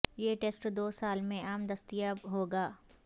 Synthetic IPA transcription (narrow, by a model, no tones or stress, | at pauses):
jeːʈeːsʈd̪oːsaːlmẽʔaːmd̪ɐst̪ijabɦoːɡaː